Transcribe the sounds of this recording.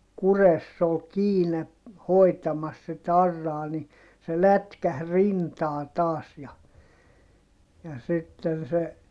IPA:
kuresː ol kiːne hoi̯tɑmɑs sit ɑrːɑː ni se lætkæh rintɑː tɑːs jɑ jɑ sitːen se

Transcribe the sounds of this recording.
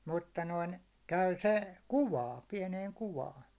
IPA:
mutːɑ noin kæy se kuwɑːn̞ piɛneːŋ kuwɑːn

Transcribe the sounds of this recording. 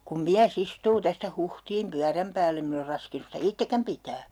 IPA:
kum miæs istuː tæstæ huhtiːm pyæræm pæːlː em min or rɑskinus sitæ itːekæm pitæː

